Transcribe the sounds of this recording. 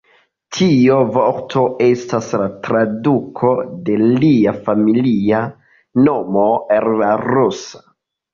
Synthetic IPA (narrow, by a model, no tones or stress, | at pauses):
tʰio̞voɾtʰo̞e̞staslatɾadukʰo̞de̞liafamilia | no̞mo̞ellaɾusḁ